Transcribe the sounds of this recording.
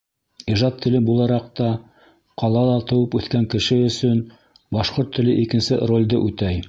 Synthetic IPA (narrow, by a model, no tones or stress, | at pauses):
iʒɑt̪ʰːɘ̆lɘbulˠɑɾɑq̚t̪ɑ | qɑlˠɑlˠɑt̪ɤ̆wɤpʉθkæŋkɘ̆ʃɘɵ̆sɵn | bɑʃqoɾt̪ʰːɘ̆lɘʔikɘ̆nsɘrolʲd̪ɤʔʉt̪æj